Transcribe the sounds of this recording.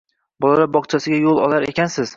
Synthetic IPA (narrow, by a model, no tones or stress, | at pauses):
bɒlˠalaɾbɒqt͡ʃʰasɪɡʲajolˠɒlˠaɾe̞̰kʲansɪz̥